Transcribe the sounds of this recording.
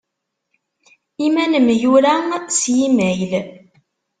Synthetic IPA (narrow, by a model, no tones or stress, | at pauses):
imænəmjuɾæsjimæjl